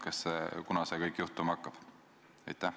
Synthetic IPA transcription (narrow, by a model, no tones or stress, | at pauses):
kɑsːekunɑsekɤjkːjuht̪umɑkːɑb̥ | ɑjt̪ːˑæh